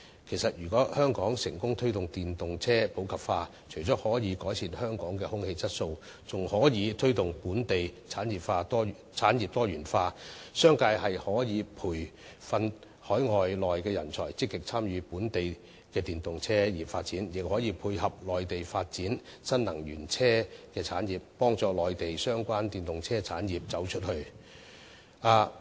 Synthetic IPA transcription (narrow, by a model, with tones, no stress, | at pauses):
kʰe˨˩jsɐ˨t̚jyː˨˩kɔː˨˥hœː˥ŋkɔː˨˥ŋsɪ˨˩ŋkʊ˥ŋt̪ʰɵ˥ɥt̪ʊ˨ŋt̪iː˨nt̪ʊ˨ŋt͡sʰɛː˥po˨˥wkʰɐ˨˩p̚faː˧ | t͡ʃʰɵ˨˩jt͡sɔː˨˥k̚hɔː˨˥jiː˨˧kɔː˨˥jt͡sʰiː˧nhœː˥ŋkɔː˨˥ŋkɛː˧hʊ˥ŋhe˧jt͡sɐ˥t̚so˧w | t͡sʊ˨ŋhɔː˨˥jiː˨˧t̪ʰɵ˥ɥt̪ʊ˨ŋpuː˨˥nt̪e˨jt͡sʰaː˨˥njiː˨pfaː˧t̪ɔː˥˨t͡sʰaː˨˥njiː˨p̚t̪ɔː˥ɥyː˨˩nfaː˧sœː˥ŋkaː˧jhɐ˨jhɔː˨˥jiː˨˧pʰuː˨˩j | fɐ˧n | hɔː˨˥jŋɔː˨jlɔː˨jkɛː˧jɐ̰˨˩nt͡sʰɔː˨˩jt͡sɪ˥kːɪ˨k̚t͡sʰaː˥mjyː˨˧puː˨˥nt̪e˨j | kɛː˧t̪iː˨nt̪ʊ˨ŋt͡sʰɛː˥jiː˨˩faː˧t̚t͡siː˨˥njɪ˨k̚hɔː˨˥jiː˨˧pʰuː˧jhɐ˨p̚lɔː˨jt̪e˨jfaː˧t̚t͡siː˨˥nsɐ˥nlɐ˨˩ŋjyː˨˩nt͡sʰɛː˥kɛː˧t͡sʰaː˨˥njiː˨˩p̚ːɔː˥ŋt͡sɔː˨˧lɔː˨jt̪e˨jsœː˥ŋkʷaː˥nt̪iː˨˩nt̪ʊ˨ŋt͡sʰɛː˥t͡sʰaː˨˥njiː˨p̚t͡sɐ˨˥wt͡ʃʰɵ˥t̚hɵ˧ɥ | aː˧